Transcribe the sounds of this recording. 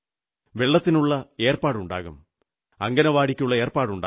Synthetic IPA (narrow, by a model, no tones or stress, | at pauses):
ʋe̞ɭːɐt̪ːinuɭːɐe̞ːrpaːɽuɳɖa̰ːɣṵm | ɐŋɡɐnɐʋaːɽikʲːuɭːɐe̞ːrpaːɽuɳɖ